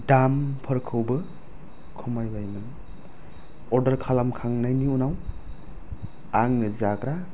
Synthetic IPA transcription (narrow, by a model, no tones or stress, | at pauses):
dampʰɯɾkʰɯwbɯ | kʰɯmajbajmɯn | ɔɾdɐɾkʰalamkʰaŋnajniunaw | aŋnɯzakɾa